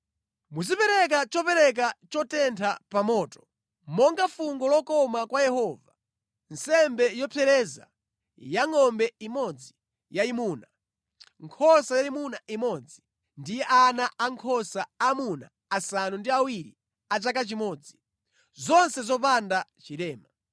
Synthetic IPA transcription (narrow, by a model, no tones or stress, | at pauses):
muzipɛɾɛk̬at͡ʃɔpɛɾɛk̬at͡ʃɔtɛntʰapamɔːtɔ̥ | mɔŋɡafuŋɡɔlɔkɔmakwajɛhɔva | nsɛmbɛjɔpʰɛɾɛza̰ | jaŋɔmbɛimɔd͡zi | jaimuːna | ŋkʰɔsajalimunaʔimɔd͡zi | ndijɛʔanaʔaŋkʰɔsaamuna̰ | asanundiawiɾḭ | at͡ʃak̬at͡ʃimɔːd͡zi | zɔnsɛzɔp̬andat͡ʃiɾɛːma